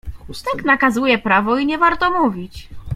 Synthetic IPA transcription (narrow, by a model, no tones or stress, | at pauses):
ust̪ɛknakazujɛpɾavɔiɲɛvaɾt̪ɔmuvʲit͡ɕ